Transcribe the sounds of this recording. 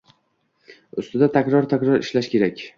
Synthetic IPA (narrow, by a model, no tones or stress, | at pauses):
ʊst̪ɪd̪at̪ʰakʲɾɒɾt̪ʰakʲɾɒɾɪ̰ʃlaʃkʲʰe̞ɾakʲ